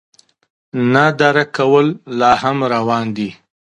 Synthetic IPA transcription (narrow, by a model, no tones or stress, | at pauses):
nad̪aɾakawəlːɑhamɾawɑnd̪i